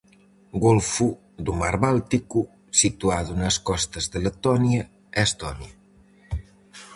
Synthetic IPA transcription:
ɡolfu | d̪umaɾβalˠt̪iku | sit̪uaðunəskɔst̪əzðələt̪ɔniə | est̪ɔnjə

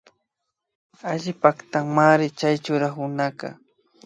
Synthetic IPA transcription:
aʎɪpakt̪aŋmaɾɪt͡ʃajt͡ʃʊɾahʊnakɑ̰

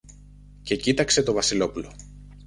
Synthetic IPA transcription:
ce̞cit̪ɐkse̞t̪o̞vɐsilo̞pulo̞

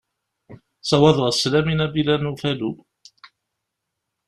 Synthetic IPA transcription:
sɑwɑðˤʁslæminæbilænufælu

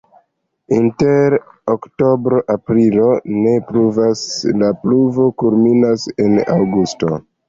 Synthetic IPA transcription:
inteɾokto̞bɾo̞ʔapɾilo̞ne̞pɾuvaslapluvo̞kulminase̞na̰wɡusto̞̰

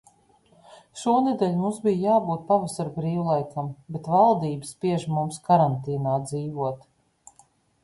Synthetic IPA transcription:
ʃuɔnɛd̪ɛlʲmumsbijjaːbuːt̪̚pavasaɾbɾiːwlˠajkʰambet̪valˠd̪iːbspiɛʒmumskaɾant̪iːnaːd̪ziːvuɔt̪

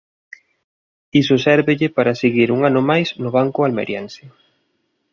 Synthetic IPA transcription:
isʊsɛɾβɪʎɪpaɾaseɣiɾuŋanʊmajsnʊβ̞aŋkʊalmḛɾjɛnsɪ

